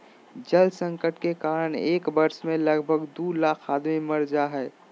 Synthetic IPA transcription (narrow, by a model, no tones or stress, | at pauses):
d͡ʒəlsə̃ŋkəʈkekaːɾəɽ̃eːkbəɾsmẽləɡbʱəɡd̪ulaːkʰaːd̪mimɐɾd͡ʒaɦɛː